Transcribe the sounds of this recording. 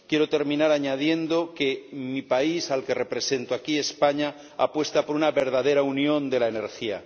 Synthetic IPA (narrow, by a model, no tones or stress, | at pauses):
kje̞ɾot̪e̞ɾmĩnaɾaɲað̞je̞nd̪o̞kemipaisalke̞re̞pɾe̞se̞nt̪oakie̞spaɲa | a̰pwe̞st̪apo̞ɾunaβe̞ɾðað̞e̞ɾaunjõ̞nd̪e̞laeneɾxia̰